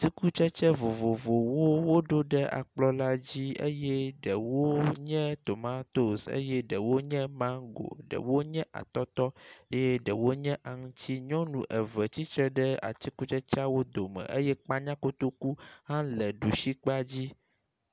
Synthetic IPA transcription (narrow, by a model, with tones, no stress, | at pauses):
t̪i˦ku˦t͡ʃɛ˦t͡ʃɛ˦vo˨vo˨vo˨wo˦wo˦ɖo˦ɖɛ˦ʔa̰˨k͡plɔ˦la˦d͡ʑi˦ḛ˦jɛ˦ɖə˨wo˦ɲɛ̃˦t̪o˨mã˦t̪o˨sḛ˦jɛ˦ɖə˨wo˦ɲɛ̃˦mã˦ɡo̰˨ɖə̰˨wo˦ɲɛ̃˦ʔa̰˨t̪ɔ˦t̪ɔ˦e˦jɛ˦ɖə˨wo˦ɲɛ̃˦ʔa˨ŋũ˦t͡ɕʰi˦ɲɔ̃˦nṵ̃˨ʔɛ˨vɛ˨t͡ɕi˦t͡ʃɾɛ˦ɖɛ˦a̰˨t̪i˦ku˦t͡ʃɛ˦t͡ʃa˦wo˦d̪o˨mə̰̃˨ʔe˦jɛ˦k͡pa˦ɲã˦ko˦t̪o˦ku˦ɦã˦lɛ˨ɖu˨ʃi˦k͡pa˦d͡ʑi˦